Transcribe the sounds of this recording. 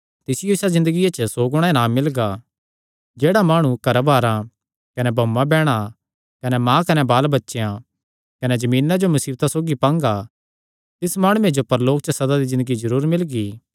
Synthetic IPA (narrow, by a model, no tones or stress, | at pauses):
t̪ɪsɪjoɪsazɪ̃nd̪əɡijat͡ʃəsoːɡɽ̃ãẽnãːmɪlɡa | d͡ʒeːɽamaːɽ̃ukɐɾbʱaːɾã | kɐnɛbʱɐmːãbɛːɽ̃a | kɐnɛmãːkɐnɛbaːlbɐtːʃejã | kɐnɛd͡ʒɐmĩːnːad͡ʒomɐsiːbt̪asoːɡipãːŋɡa | t̪ɪsmaːɽ̃uːẽd͡ʒopɐɾloːk̚t͡ʃəsɐd̪ad̪izɪ̃nd̪əɡizɐɾuːɾmɪlɡiː